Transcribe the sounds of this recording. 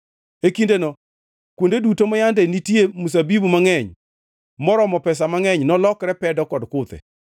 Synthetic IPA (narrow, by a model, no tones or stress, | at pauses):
ekindenɔ | kwondedutomajandɛnitjemus̬abibumaŋɛɲ | mɔɾɔmɔpɛs̬amaŋɛɲnɔlɔkɾɛpɛdɔkɔdkʊt̪ɛ̰